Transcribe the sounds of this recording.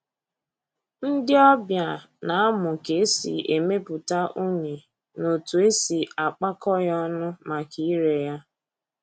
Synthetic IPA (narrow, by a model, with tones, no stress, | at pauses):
n̩˦dɪ˦ɔ˦bja˨ | na˨a˦mʊ˨ke˦sḭ˨e˨me˦pʊ˨ta˦ʔo˦ɲe˨ | no˨tu˨e˦si˨a˨k͡pa˦kɔ˦jɔ˦nʊ˦ma˨ki˦i˦ɾe˨ja˦